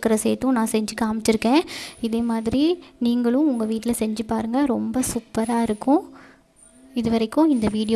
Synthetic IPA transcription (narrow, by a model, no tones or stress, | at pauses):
kːɐɾɐseːt̪ːʊ̃nãːsɛɲd͡ʒɯkaːmɪʈːɪɾɯkːẽːɪðeːmaːðɪɾiniːŋɡɐɭʊ̃ʊŋɡɐʋiːʈːɪlɐsɛɲd͡ʒɯpaːɾɯŋɡɐɾɔmbɐsuːpːɐɾaːɪɾɯkːʊ̃ | ɪðɯʋɐɾɐɪkːʊ̃ɪnd̪ɐʋiːɽɪ